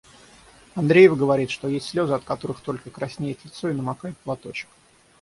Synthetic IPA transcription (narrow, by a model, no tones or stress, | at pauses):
ɐnd̪ɾʲejɪvəɡəvɐɾʲit̪ʂt̪o̞jesʲtʲsʲlʲo̞zəɐt̪kɐt̪o̞ɾɨxt̪o̞lʲkəkɾɐsʲnʲejɪt̪lʲɪt̪so̞ɪnəmɐkajɪt̪̚plˠɐt̪o̞t͡ɕɪ̥k